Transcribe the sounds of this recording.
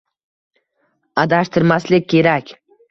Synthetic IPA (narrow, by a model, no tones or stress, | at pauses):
ad̪aʃt̪ʰɪɾmaslɪk̚ʲkʰʲːe̞ɾakʲ